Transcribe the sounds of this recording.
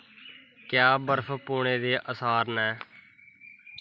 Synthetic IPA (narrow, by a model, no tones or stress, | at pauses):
kjaːbəɾpʰpoːɳ̃eːd̪eːʔəsaːɾnɛː